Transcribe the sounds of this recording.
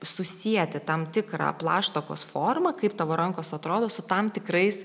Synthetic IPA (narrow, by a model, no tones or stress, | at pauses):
sʊsʲiɛt̪ʲɪt̪ɐmt̪ʲɪkɾɑ̰plˠɑːʃt̪oko̰ːsfoːrmɐkɐɪpt̪ɐʋoːɾɐŋkoːsɐt̪ɾoːd̪oːsʊt̪ɐmt̪ʲɪkɾɐɪs